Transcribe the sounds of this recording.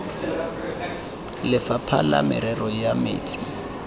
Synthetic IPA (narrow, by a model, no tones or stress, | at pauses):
lɪfapʰa̰la̰mɪ̰ɾɛrɔjamḛːt͡sʼi